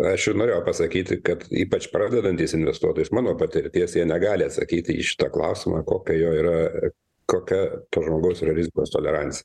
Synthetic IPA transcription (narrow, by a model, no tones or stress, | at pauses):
ɐʃjnoːɾʲeːjɛʊpɐsɐkʲiːt̪ʲɪkɐt̪ḭːpɐt͡ʃpɾɑːd̪ʲɛd̪ɐnʲt̪ʲɪsɪnʲʋʲɛst̪uɔt̪oːjʊsmɑːnoːpɐt̪ʲɪɾʲt̪ʲiɛsjiɛnʲɛɡɑːlʲɪɐt̪sɐ̰kʲiːt̪ʲɪḭʃʲɪ̥t̪ɐklˠɐʊsʲɪmɑːkoːkʲɛjoːiːɾɐ | koːkʲɛpoʒmoːɡɐʊsiːɾɐɾʲɪzʲɪkoːst̪oːlʲɛɾɑnʲt͡ssʲɪjɛ